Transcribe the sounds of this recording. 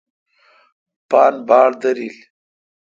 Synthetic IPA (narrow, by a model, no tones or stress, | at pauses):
pɑːnbɑːɽd̪ɐɾil